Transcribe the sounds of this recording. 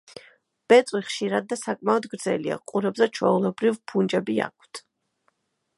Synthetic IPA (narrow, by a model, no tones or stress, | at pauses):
b̥ɛt̪sʼwiχʃiɾad̪̚ːasakʼmaɔd̪ɡɾd̪zɛ̰lia̰qʼuɾɛbzɛt͡ʃʰwɛulɛbɾivpʰund͡ʒɛbia̰k̚ʰt̪ʰ